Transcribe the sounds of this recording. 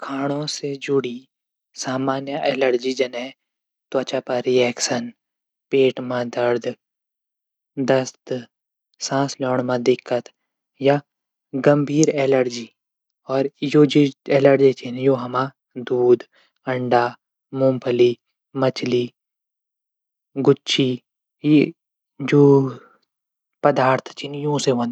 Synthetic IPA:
kʰaːɽ̃õsed͡ʒʊɽi | saːmaːnjəʔɛːləɾd͡ʒid͡ʒɐne | t̪wɐt͡ʃapɐɾiɛːkʃən | peːʈmãd̪əɾd̪ | d̪əst̪ | sãːslɔːɳ̃mãd̪ɪkʰːət̪ | ja | ɡɐmbʱiːɾeːləɾd͡ʒiː | ɔːɾjoːd͡ʒeeːləɾd͡ʒit͡ʃʰinjoːɦɐmã | d̪uːd̪ | ɐ̃ɳɖaː | mũmpʰəli | mɐt͡ʃʰliː | ɡʊːt͡ʃʰiː | je | d͡ʒoː | pəd̪aːɾt̪ʰt͡ʃʰinjũːseɦõn

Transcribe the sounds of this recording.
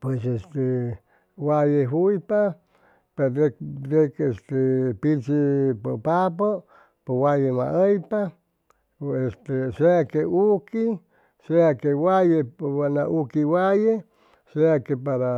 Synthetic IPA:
pwesest̪e | wajeɦujpa | pededekest̪epit͡ʃipopap̬o | powajemã̰ʔəjpa | est̪eseakeʔuki | seakewajeanaʔukiwaje | seakepaɾa

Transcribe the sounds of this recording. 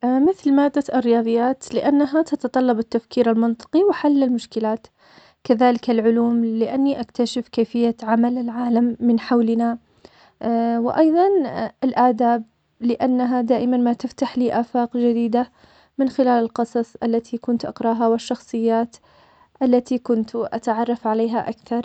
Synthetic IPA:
mɪθlmaːd̪ːaɪrːɪjɑːðˤɨjːaːt̪lɪʔanːaɦat̪ɑt̪ɑt̪ˤɑlːɑbɪt̪ːafkiːɾalmɪnt̪ˤɨ̥qiwɪħalːɪlmʊʃkɪlaːt̪ | kaðaːlɪkalʕʊluːmlɪʔanːiʔakt̪aʃɪfkaːfɪjːaʕamalɪlʕaːlamːɪnħawlɪna | wɪ̰ʔɑjðˤɑnʔɪlʔaʕd̪aːb̚ | lɪʔanːaɦad̪aːʔɪmanmat̪ɪft̪aħliːʔaːfaːqd͡ʒɪd̪iːd̪a | mɪnxɪlaːlɪlqɑsˤɑsˤʔalːat̪ʰikʊnt̪ʔɑ̰qɾˤɑːɦawɪʃːɑxsˤɨjːaːt̪ | ʔalːat̪ikʊnt̪ʔa̰t̪aʕɑrˤːɑfʕaleːɦaʔakθɑɾˤ

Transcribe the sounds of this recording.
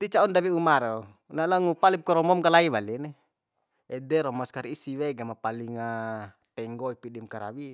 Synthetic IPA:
t̪it͡ʃaundawiumaɾɔ | nalaŋupalip̚kɔɾɔmɔmkalaiβalinɛ | ɛdɛɾɔmɔskaɾiisiwɛɡamapaliŋa | t̪ɛŋɡɔipidimkaɾa̰wi

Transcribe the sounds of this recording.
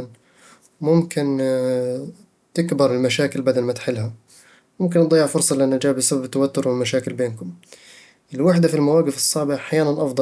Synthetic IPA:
n | mʊmkɪn | t̪ɪkbɑɾˤɪlmaʃaːkɪlbad̪almat̪ħɪlːha | mʊmk̬ɪnd̪ˤɑjːɪʕfʊɾsˤɑlɪʔanːad͡ʒaːʕbɪsababt̪ːawat̪ːʊɾwɪlmaʃaːkɪlbeːnkʊm | ʔɪlwaħd̪afilmawaːɡɪfɨsˤːɑʕbɪʔaħjaːnanʔɑfd̪ˤɑ

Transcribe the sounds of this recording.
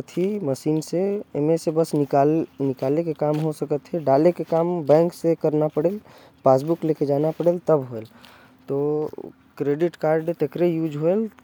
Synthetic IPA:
t̪ʰiməʃiːnseemesebəsnɪkalnɪkaːlekekaːmɦosəkət̪ɦeɖaːlekekaːmbɛ̃ːŋksekəɾnapəɽeːl | paːs̬bʊkleːked͡ʒaːnapəɽeːlt̪əbɦoel | t̪o | kɾeːɖɪʈkaːɾɖt̪ekɾejuːd͡ʒɦoel

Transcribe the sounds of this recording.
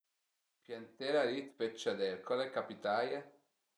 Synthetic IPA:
pjant̪eɾaɾit̪pet͡ʃːad̪eɾkalekapit̪aːja

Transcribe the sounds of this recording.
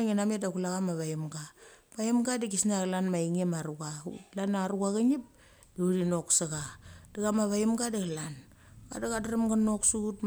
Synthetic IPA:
ŋinametdakulaɣamaβaimɡa | paimɡadiɡisnaɣlanmaiŋemaɾuɡaṵlanaɾuɡaɡanip̚ | diuɾinoksaɡad̥aɡamaβaimɡadaɣalan | ɡa̰daɡadaɾamɡanoksut

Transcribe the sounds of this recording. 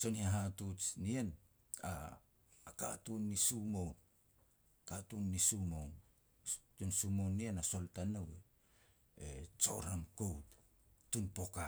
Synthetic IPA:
t͡ʃo̞niaɦatut͡ʃnien | a̰ | ka̰tunːisumown | katunːisumown | tunsumownːienaso̞ltanawe | ḛt͡ʃo̞̰ɾamkowt | tunpo̞ka

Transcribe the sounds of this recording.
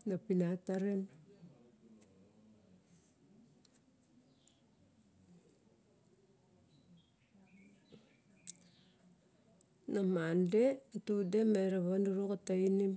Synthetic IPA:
napinataɾen | namandetudemeɾaβanduɾukatainim

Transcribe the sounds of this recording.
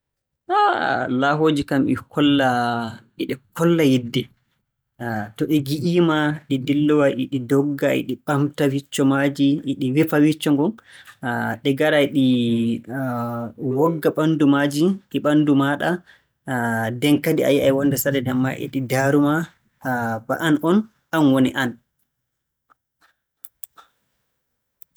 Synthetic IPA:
ʔalaɦoːd͡ʒikamḭkʰɔlːaʔiɗɛkɔlːajidːɛ | tɔɗiɡiʔiːmaɗidilːɔwaʔiɗidɔɡːaɛ̰ɗiɓamtawit͡ʃːɔmad͡ʒiʔːɗiwifawit͡ʃːɔŋɡɔn | ɗɛɡaɾajɗi | wɔɡːaɓandumad͡ʒiɗiɓandumaɗa | dɛŋkadia̰jajwɔnːdɛsadɛdɛmːa̰ʔḭɗidaɾuma | ba̰ʔanʔɔn | anwoniʔan

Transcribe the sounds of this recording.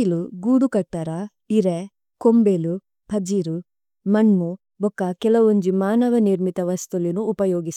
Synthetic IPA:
luɡuːɽukɐʈ̚t̪aːɾa | iɾe | kombelu | pʰɐd͡ʒiːɾu | mɐɳmu | bɔkːɐkɛlɐʋoɲd͡ʒimaːnɐʋɐniɾmit̪ɐʋɐst̪ulinuːpɐjoːɡis

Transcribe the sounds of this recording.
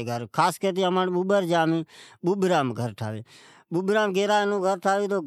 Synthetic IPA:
ɡʱəɾkʰaːskəɾt̪̬iːəmaːnɓuːɓəɾd͡ʒaːmĩːɓuːɓɾaːmɡʱəɾʈʰa̰ːʋḛː | ɓuːɓɾaːmɡeːɾaːenũːɡʱəɾʈʰaːʋeːt̪oː

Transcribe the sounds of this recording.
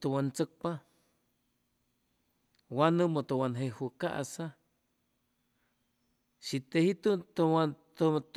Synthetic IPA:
t̪uwant͡sək̚pa | wanɨmot̪uwanɦehuka̰ʔa̰sa | ʃit̪ehit̪ut̪wat̪t̪

